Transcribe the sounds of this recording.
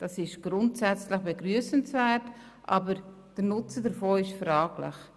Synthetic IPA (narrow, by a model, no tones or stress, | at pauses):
d̥ɑsɪʃɡ̥ɾʊntsɛt͡slɪχb̥eɡɾyəsənsvɛːrt | ʔɑːbəɾ | d̥əɾnʊt͡sədəɾfoːɪʃfɾɑːɡlɪ̰χ